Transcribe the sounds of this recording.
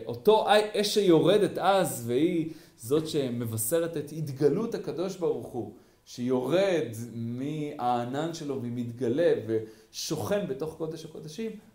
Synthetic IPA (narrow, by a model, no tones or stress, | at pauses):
ʔo̞to̞ʔajʔeʃejoʁe̞det̪azvehi | zo̞tʃeme̞vase̞ʁetet̪hitɡaluthakad̪o̞ʃbaʁuχu | ʃejo̞ʁed̪miaːnanʃe̞lo̞veimit̪ɡale̞ve | ʃo̞χe̞nbeto̞χko̞d̪eʃhako̞d̪aʃim